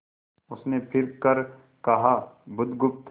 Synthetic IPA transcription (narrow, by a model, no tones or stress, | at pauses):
ʊsnepʰɪɾkɐɾ | kɐɦaːbʊd̪ɡʊp̚t̪